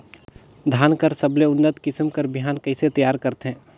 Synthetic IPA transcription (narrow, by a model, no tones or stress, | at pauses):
d̪ʱaːnkəɾsɐbleʊnːət̪kɪsmkəɾbʱjaːnkɐiset̪əjaːɾkɐɾt̪ɦɛ̃ː